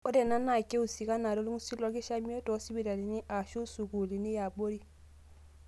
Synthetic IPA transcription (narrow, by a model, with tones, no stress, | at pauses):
o˦de˨na˦na˨ke˦u˨si˨ka˦na˨do˦lu˦ŋu˦si˦lɔ˨˦ki˦ʃa˦mi˦o˦tɔ˨˦si˦bi˨ɾa˨li˨ni˦ʔa˨ʃu˦su˨ku˨li˨ni˦ja˨bo˦ɾi˦